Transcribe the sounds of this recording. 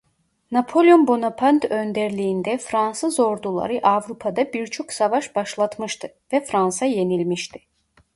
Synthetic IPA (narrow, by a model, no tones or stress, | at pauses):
napʰo̞lʲjonbo̞napʰant̪ø̞nd̪æɾlʲijːnd̪ɛfɾansɯzo̞ɾd̪ulˠa̰ɾɯʔavɾupʰad̪abiɾt͡ʃʰo̞ksavaʃbaʃlˠat̪mɯʃt̪ʰɯ | vɛfɾansaje̞nilʲmiʃt̪ʰiɪ̥